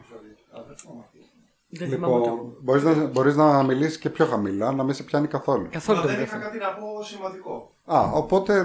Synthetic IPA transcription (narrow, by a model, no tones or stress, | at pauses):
liponbo̞ɾiznɐbo̞ɾiznɐmilisi̥sce̞pço̞xɐmilɐnɐmisepçɐnikɐθo̞lukɐθolud̪ɐkɐt̪inɐposimvɐnd̪iko | ɐopo̞t̪e̞